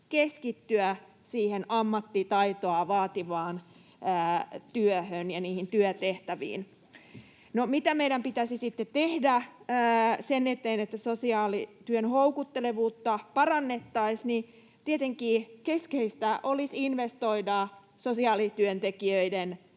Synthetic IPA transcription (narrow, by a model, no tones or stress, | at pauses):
keskit̪ːyæ | siːhenɑmːɑt̪ːit̪ɑit̪oɑʋɑːt̪iʋɑːn | əːt̪yøhønjɑniːhint̪yøt̪eht̪æʋḭːn | nomit̪æmeiɾæmpit̪æsisit̪ːett̪ehdæː | senːet̪eːnet̪ːæsosiɑːlit̪yønhoukut̪ːeleʋuːt̪ːɑpɑrɑnːet̪ːɑisni | t̪iet̪eŋkiːkeskeist̪æʔolisinʋest̪oidɑ | sosiɑːlit̪yønt̪ekiøiden